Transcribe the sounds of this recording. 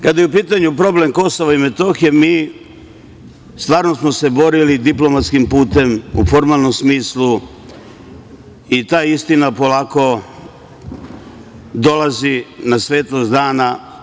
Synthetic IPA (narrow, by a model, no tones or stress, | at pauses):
kad̪ajeupiːt̪aɲupɾo̞ble̞mko̞soʋaime̞t̪o̞xijemiː | st̪ʋaːɾno̞smo̞se̞bo̞ɾilid̪iplˠo̞mat̪skimpuːt̪e̞mṵfo̞ɾmaːlˠno̞msmiːslu | it̪aːist̪inapo̞laːko̞ | d̪o̞lazinasʋe̞ːt̪lost̪d̪aːna